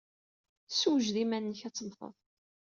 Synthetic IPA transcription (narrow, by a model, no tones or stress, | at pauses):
swʒðimænːəçæt͡sːəmfə̰ðˤ